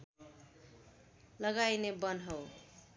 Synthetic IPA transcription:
lʌɡajnebʌnɦʌw

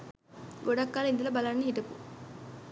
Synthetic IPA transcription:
ɡoɖɐkːaːlind̪ɐlɐbɐlɐnːeɦiʈɐpu

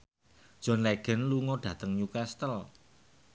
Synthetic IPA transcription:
d̥ʒ̥ɔ̤nlɛɡ̥ɛ̤nluŋɔɖ̥ä̤t̪əŋɲukɛst̪əl

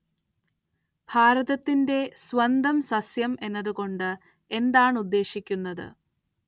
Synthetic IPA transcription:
bʱaːɾɐðɐt̪ːinde̞sʋɐnd̪ɐmsɐsjɐme̞nːɐðuko̞ɳɖɨ | e̞nd̪aːɳud̪ːe̞ːɕikʲːunːɐðɨ̰

